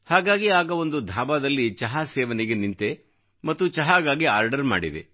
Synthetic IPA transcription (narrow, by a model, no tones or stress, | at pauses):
haːɡaːɡiaːɡɐo̞nd̪ud̪ʱaːbaːd̪ɐlːit͡ʃɐɦaːsɛːʋɐnɛɡe̞nint̪e̞ | mɐt̪ːut͡ʃɐɦaːɡaːɡia̰ːɾɖɐɾma̰ːɽid̪ḛ